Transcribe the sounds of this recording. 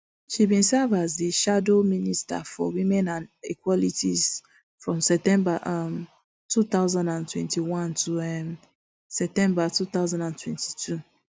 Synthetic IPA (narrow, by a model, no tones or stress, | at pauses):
ʃibĩnsavaziʃadominista̰fɔ̰wĩmɛ̃nãnḭkwɔlitʰiz | fɹɔ̃msɛtɛ̃mbaʔm | tut̪aʊzãndãntwɛ̰̃ntʰiwãntʰuɛm | sɛp̚tɛ̃mbatut̪aʊzãndãntʰwɛ̃nti̥tʰu